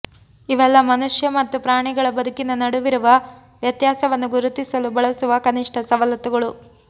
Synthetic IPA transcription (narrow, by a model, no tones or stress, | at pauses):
iʋɛlːɐmɐnuʂjɐmɐt̪ːupɾaːɳiɡɐɭɐbɐd̪ʱukːinːɐnɐɽuʋiɾuʋɐ | ʋjɐt̪jaːsɐʋɐnːuɡuɾut̪ːisɐlubɐɭɐsuʋɐkɐniʂʈʰɐsɐʋɐlɐt̪uɡɐɭu